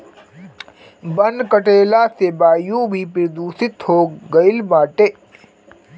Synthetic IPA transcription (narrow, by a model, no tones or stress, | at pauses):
bənkəʈeːlaseːbaːjũbʱipɪɾd̪uːsɪt̪hoːɡɐɪlmaːʈeː